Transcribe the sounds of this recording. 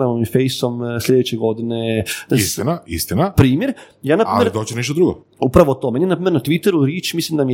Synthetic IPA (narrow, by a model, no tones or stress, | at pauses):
amomifejsomslʲe̞d̪et͡ɕeɡo̞d̪ined̪̥assst̪inaḭst̪inapɾiːmjeɾ | jaːnapɾiameld̪oːt͡ɕenɛʃt̪od̪ɾuɡo̰ | upɾaʋot̪oːmenjenapɾimeɾnat̪ʋit̪eɾuɾjeːt͡ʃmislimd̪ami